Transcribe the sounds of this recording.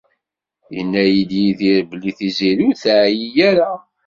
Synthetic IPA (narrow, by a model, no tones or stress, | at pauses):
jə̰nːæjid̪jiθiɾblːiθiziɾuθʕjijæɾa